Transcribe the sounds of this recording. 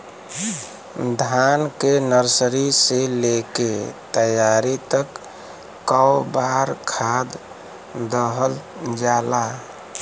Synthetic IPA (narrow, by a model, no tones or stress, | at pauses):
d̪ʱankenəɾsəɾiseleket̪əjaɾit̪əkː | əwbaɾkʰad̪ | d̪əɦəl | d͡ʒala